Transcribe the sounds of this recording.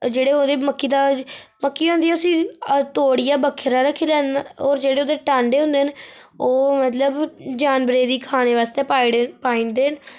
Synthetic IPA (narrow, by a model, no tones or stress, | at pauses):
d͡ʒeːɽeːoːd̪eːməkːiːd̪aːməkːiːɦõːnd̪iːɛːʊsĩːt̪oːɽijaːbəkʰːəɾaːɾəkʰːeːlɛːnaoːɾd͡ʒeːɽeːoːd̪eːʈaːɳɖeːɦʊ̃nd̪eːnoːmət̪ləbd͡ʒaːnbɾeːd̪iːkʰaːneːʋaːst̪eːpaːipaːĩːnd̪eːɦən